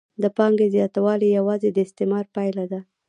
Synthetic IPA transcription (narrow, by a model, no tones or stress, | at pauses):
d̪əpɑŋɡezjɑt̪awɑlijawɑzed̪əɪst̪emɑɾpajlad̪a